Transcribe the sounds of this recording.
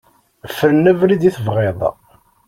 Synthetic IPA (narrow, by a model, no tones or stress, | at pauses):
fəɾənːævɾid̪iθəvʁeðˤ